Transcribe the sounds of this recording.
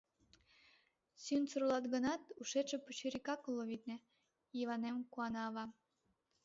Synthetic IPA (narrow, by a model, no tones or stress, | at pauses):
synt͡suɾulɑt̪ɡənɑt̪uʃet͡ʃĕput͡ɕyɾikɑklːoβit̪̚nĕ | jiβɑnemkuɑnɑːβɑ